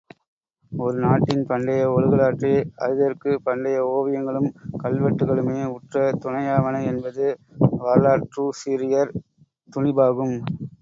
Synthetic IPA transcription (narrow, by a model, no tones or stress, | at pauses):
ɔɾɯnaːʈːɪnpɐɳɖɐjɐɔɻɯɣɐɭaːʈriɐ̰ðɯðɐrkɯpɐɳɖɐjɐoːʋɪjɐŋɡɐɭɯmkɐɭʋɐʈːɯɣɐɭɯmeːʊʈrɐt̪ʊɳɐjaːʋɐnɐɛnbɐðɯʋaːɾɭaːʈrusiːɾɪjɐɾ | t̪ʊɳɪbaːɣɯm